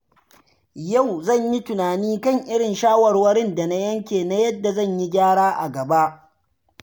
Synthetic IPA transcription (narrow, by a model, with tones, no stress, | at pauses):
ja˦˨wzɐ˦˨ɲji˦tʊ˨naː˨niː˦kɐ˦˨ŋʔɪ˦ɽɪ˨nʃaː˦wɐ˨rwɐ˦ɽɪ˦nda˨na˦jɐ˦ŋkʲeː˨na˦jɐ˦dːa˨zɐ˦˨ɲji˦ɡʲaː˦ɽaː˦ʔa˨ɡɐ˨ba˦ʔ